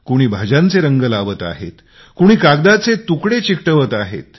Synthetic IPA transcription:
kuɽ̃iːbʱad͡ʑãnt͡seɾəŋɡəlaʋət̪a̰ɦḛt̪ | kuɽ̃iːkaɡd̪at͡set̪ukɽet͡ɕikʈəʋət̪aɦḛt̪

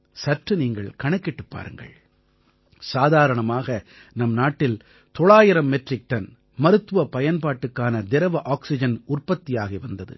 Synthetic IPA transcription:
sɐʈrɯniːŋɡɐɭkɐɳɐkːɪʈːɯpːa̰ːɾɯ̰ŋɡɐ̰ɭ | saːðaːɾɐɳɐmaːɣɐ | nɐmnaːʈːɪl | t̪ɔɭaːjɪɾɐmːɛʈrɪk̚ʈɐn | mɐɾɯt̪ːɯʋɐpɐjɐnpaːʈːɯkːaːnɐd̪ɛɾɐʋɐʔaːksɪd͡ʒɐnʊrpɐt̪ːijaːɣɐʋɐnd̪ɐðɯ̰

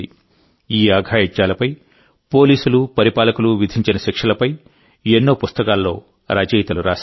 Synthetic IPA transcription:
i | iːaːɡʱaːjit͡ʃːaːlɐpɐj | po̞ːliːsulupɐɾipaːlɐkuluʋid̪ʱiɲt͡ʃinɐʃikʂɐlɐpɐj | enːoːpust̪ɐkaːlːo̞ː | ɾaːd͡ʒijt̪ɐluɾaːʃ

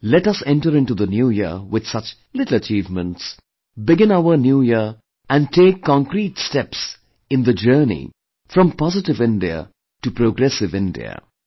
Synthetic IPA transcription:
lɛʈʌsɛ̃nʈəɾɪ̃nʈud̪ənjuːjiwɪd̪̥sʌt͡ʃ | lɪʈl̩ˠət͡ʃiːvmə̃nʈs | bɪɡɪ̃naʊənjuːji | æ̃nɖ̚ʈʰeːkʰːɔ̃ŋkɾiːʈstɛps | ɪ̃nd̪əd͡ʒɜːnḭ | fɾʌ̃mpɔzɪʈɪvɪ̃nɖiə̰ | ʈupɾoɡɾɛsɪvɪ̃nɖḭə̰

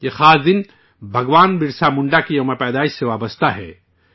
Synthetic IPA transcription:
jexaːsd̪ɪn | bʱɐɡʋaːnbɪɾsamʊ̃ɳɖakiomapɛːd̪aːɪʃseʋaːbɐst̪aɦɛ̰ː

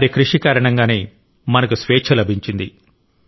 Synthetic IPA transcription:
ɐɾikɾuʂikaːɾɐɳɐŋɡaːneː | mɐnɐkusʋeːt͡ʃʰɐlɐbʱiɲt͡ʃind̪i

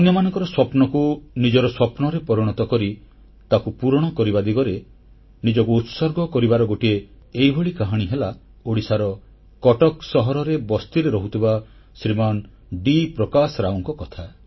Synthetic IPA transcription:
ɔnjɔmanɔŋkɔɾɔswɔpnɔkunid͡ʒɔɾɔswɔpnɔɾepɔɾiɽ̃ɔt̪ɔkɔɾi | t̪akupuɾɔɽ̃ɔkɔɾibad̪iɡɔɾe | nid͡ʒɔkuːt̪sɔɾɡɔkɔɾibaɾɔɡoʈie | ejbʱoɭikaɦaɽ̃iɦela | oɽisaɾɔ | kɔʈɔksɔɦɔɾɔɾebɔst̪iɾeɾɔɦut̪ʰiba | sɾiman | ɖipɾɔkasɔɾaɔŋkɔkɔt̪ʰa

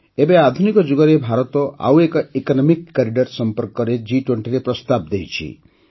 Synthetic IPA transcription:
ebead̪ʱunikɔd͡ʒuɡɔɾebʱaɾɔt̪ɔʔa̰wekɔekɔnɔmikːaɾiɖɔɾsɔmpɔɾkɔɾed͡ʒiʈweɳʈiɾepɾɔst̪ab̚d̪ejt͡ʃʰḭ

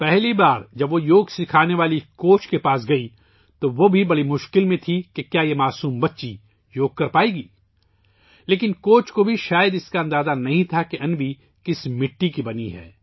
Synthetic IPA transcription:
pɛɦlibaːɾd͡ʒɐbʋojoːɡsɪkʰaːneʋaːlikoːt͡ʃkepaːsɡɐi | t̪oʋobʱibɐɽimʊʃkɪlmẽt̪ʰikekjaːjemaːsuːmbɐtːʃi | joːɡ̚kɐɾpaːeːɡiː | leːkɪnkoːt͡ʃkobʱiʃaːjəd̪ɪskaɐ̃nd̪aːzanɐɦĩt̪ʰakeʔɐnbʱi | kɪsmɪʈːikibɐnḭɦɛ̰ː

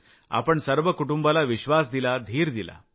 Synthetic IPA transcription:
a̰pəɳsəɾʋəkuʈumbalaʋiɕʋasd̪ilad̪ʱiːɾd̪ila̰

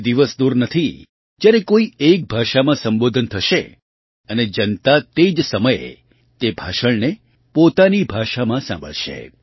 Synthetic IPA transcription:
d̪iʋəsd̪uɾnət̪ʰi | d͡ʒjaɾekoiek̚bʱaʃamãsəmbod̪ʱənt̪ʰəʃe | əned͡ʒənt̪at̪ed͡ʒsəməjḛ | t̪ebʱaʃəɭne | pot̪anibʱaʃamãsã̰mbə̰ɭʃḛ

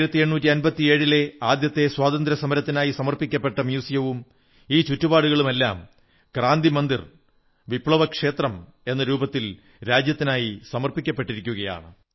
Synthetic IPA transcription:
ɾɐt̪ːie̞ɳːuːtːiɐnbɐt̪ːie̞ːɻile̞aːd̪jɐt̪ːe̞swaːd̪ɐnd̪ɾɐsɐmɐɾɐt̪ːinaːjisɐmɐrpikʲːɐpːe̞ʈːɐmjuːsijɐʋum | iːt͡ɕutːubaːɽuɣɐɭume̞lːa̰ːm | kraːnd̪imɐnd̪ir | ʋipɭɐʋɐkʂe̞ːt̪rɐme̞nːɐɾuːbɐt̪ːil | ɾaːd͡ʑjɐt̪ːinaːjisɐmɐrpikʲːɐpːe̞ʈːiɾikʲːuɣɐja̰ːɳɨ

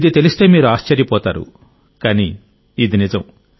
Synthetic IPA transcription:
d̪it̪elist̪eːmiːɾuaːst͡ʃɐɾjɐpɔːt̪a̰ːɾṵ | kaːniː | d̪inid͡ʒɐm̃

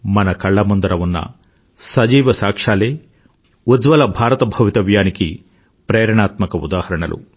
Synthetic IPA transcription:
mɐnɐkɐɭːɐmond̪ɐɾɐʋunːɐ̰ | sɐd͡ʒiːʋɐsaːkʂaːleː | ud̪ʋɐlɐbʱaːɾɐt̪ɐbʱɐʋit̪ɐʋjaːniki | pɾeːɾɐɳaːt̪mɐkɐṵd̪aːhɐɾɐɳɐlʔṵ

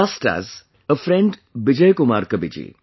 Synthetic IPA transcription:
asʈa̰z | əfɾẽɳɖbɪd͡ʒəjkʊmaːɾkɐbid͡ʒḭː

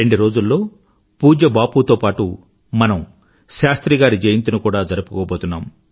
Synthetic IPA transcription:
eɳɖiɾo̞ːd͡ʒulːo̞ː | puːd͡ʒɐbaːput̪oːpaːʈu | mɐnɐm | ʃaːst̪ɾiɡaːɾid͡ʒɐjɐnt̪unukuːɽaːd͡ʒɐɾɐpu̥koːboːt̪unːaːm

